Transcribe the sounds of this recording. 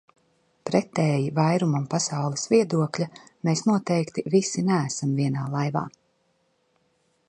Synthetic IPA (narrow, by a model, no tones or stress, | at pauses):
pɾɛt̪ɛːjivajɾumampasawlˠisviɛd̪uɔklʲameːsnuɔt̪ɛjkt̪ivisinæːsamviɛnaːlˠajva̰ː